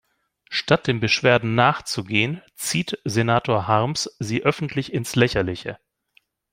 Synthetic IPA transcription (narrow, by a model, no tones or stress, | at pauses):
ʃtat̚d̥eːmbəʃv̥eːɐdn̩naːχt͡suɡeːən | t͡siːtzenaːtoːɐɦaʁmsziːʔœfn̩tʰlɪçɪnslɛçɐlɪçə̰